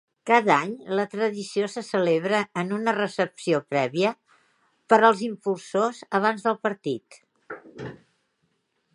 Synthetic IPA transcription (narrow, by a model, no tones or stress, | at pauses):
kaðaɲlət̪ɾəðisiosəsəleβɾəːnunərəsəpsiopɾɛβiə | pəɾəlˠzimpulˠsozəβ̞anzðəlˠpəɾt̪it̪